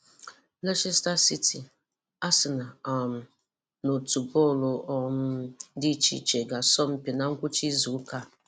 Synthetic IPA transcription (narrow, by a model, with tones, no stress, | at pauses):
lɛ˦ʃe˦sta˦si˦ti˨ | a˦sɪ˨na˨m̩˨ | no˨tu˨bɔ˦˨lo˨ɔ˦m̩˦di˦t͡ʃḭ˨t͡ʃe˨ɡa˨sɔ˦m̩˦pi˨na˨ŋ̩˦kʷʊ˦t͡ʃi˦zu˨˦ka˦˨